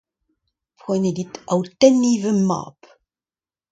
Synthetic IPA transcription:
pχɔjneditɐwtɛnivəma̰ːp

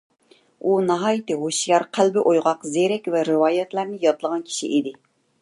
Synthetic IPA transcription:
unɑɦɑːjit̪ɪɦoʃjɑɾqʰælbɪʔojʁɑqzeɾɛkʲvɛɾɨwɑːjɛt̪læɾnɪjɑt̪lˠəʁɑnkʲʰi̥ʃḭʔid̪ɪ

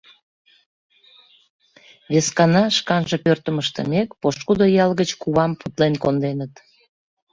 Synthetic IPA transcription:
βeskɑnɑʃkɑnʒepørt̪əməʃt̪ə̰mekpoʃkud̪ojɑlɣət͡ɕkuβɑmput̪lenkond̪enət̪

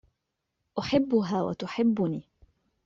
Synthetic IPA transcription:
ʔʊħɪbːʊɦaːwa̰t̪ʊħɪbːʊniː

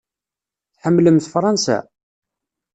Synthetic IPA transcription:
θħəmːləmθfɾˤɑnsæ̰

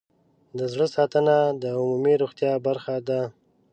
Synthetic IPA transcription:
d̪əzɽəsɑt̪ənad̪əʊmumiɾoɣt̪jɑbaɾxad̪a

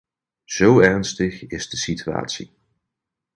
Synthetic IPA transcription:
z̥owɛrnstəχɪzdəsitya̰ːtsḭ

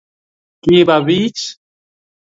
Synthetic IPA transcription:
kibaβit͡ʃ

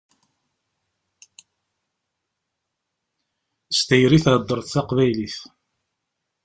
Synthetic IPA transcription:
st̪æjɾiθad̪ˤːəɾˤθθɑqvæjliθ

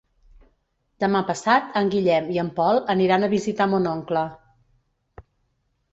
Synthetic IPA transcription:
d̪̥əmapəsat̪əŋɡiʎɛmiəmpɔlˠəniɾanəβizit̪amonɔŋklə

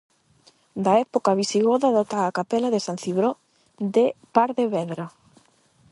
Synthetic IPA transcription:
d̪aɛpokaβisiɣoðaðot̪aːkapɛlaðesan̟θiβɾo | d̪epaɾðeβɛðɾa

